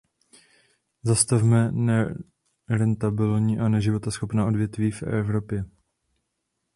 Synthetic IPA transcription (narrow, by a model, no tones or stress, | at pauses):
zast̪afmɛnɛ | ɾɛnt̪abɪlɲiʔanɛʒɪvo̞t̪asxo̞pnaːʔo̞dvjɛt̪viːfɛ̰vɾo̞pjɛ